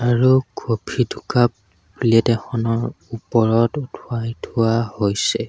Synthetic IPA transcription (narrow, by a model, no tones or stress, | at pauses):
aɹuɡobʰʱidʰʱukap̚ | bulɛtɛxɔnɔɹ | upɔɹɔtutʰʊajtʰʊwahojsɛ